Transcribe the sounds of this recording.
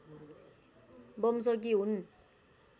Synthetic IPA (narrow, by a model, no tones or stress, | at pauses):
bʌms̬ʰʌɡiun